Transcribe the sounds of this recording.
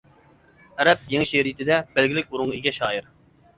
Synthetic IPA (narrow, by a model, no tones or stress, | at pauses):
ɛɾɛp̚jeŋʲʃeɾijt̪ʰɪd̪ɛb̥ɛlɡʲɪlɪk̚ʲuɾʊŋʁiɡʲɛʃɑːjiɾ